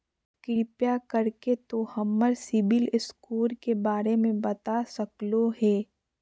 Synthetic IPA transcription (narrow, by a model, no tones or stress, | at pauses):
kɪɾipjakɐɾket̪ohɐmːəɾsɪbɪlɪskuːɾkebaːɾemẽbɐt̪asɐkloɦɛː